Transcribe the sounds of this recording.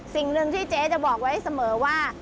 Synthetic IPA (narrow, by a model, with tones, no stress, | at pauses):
si˨˩ŋnɯ˧ŋt̪ʰiː˥˩t͡ɕeː˦˥t͡ɕa˨˩bɔː˨˩k̚wa˦˥jsa˧mɤː˩˦waː˥˩